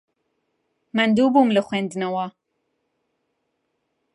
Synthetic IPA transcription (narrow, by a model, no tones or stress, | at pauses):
mɐnd̪uːbumlɨxʷweːnd̪ɨnɐwa